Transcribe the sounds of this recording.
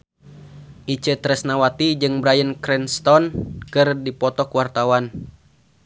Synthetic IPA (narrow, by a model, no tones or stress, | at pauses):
ʔit͡ʃət̪ɾɛsnawat̪id͡ʒɨŋbɾajənkɾɛnst̪ɔnkɨrdipɔt̪ɔkuwart̪awan